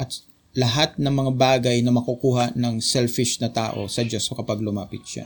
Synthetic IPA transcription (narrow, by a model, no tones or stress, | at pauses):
ʔɐt̪ | lɐɦat̪̚nɐŋmɐŋabaːɡɐjnɐmɐkukuːɦɐnɐŋsɛlfɪʃnɐt̪a̰ːʔo̞̰sɐd͡ʒoskɐpaɡ̚lʊmaːpɪt̪̚ʃa̰